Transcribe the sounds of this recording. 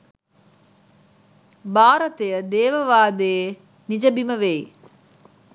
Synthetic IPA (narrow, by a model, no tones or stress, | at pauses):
baːɾɐt̪ejəd̪eːʋəʋaːd̪e | nid͡ʒəbiməʋej